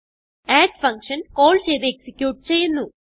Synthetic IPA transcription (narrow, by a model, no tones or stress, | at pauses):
ɛːɖpʰɐŋkʂɐnkoːlseːd̪eeksikjuːʈ̚t͡ʃeːjɐnːu